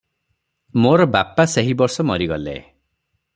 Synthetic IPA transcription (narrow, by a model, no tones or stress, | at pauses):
moɾɔbapaseɦibɔɾsɔmɔɾiɡɔlḛ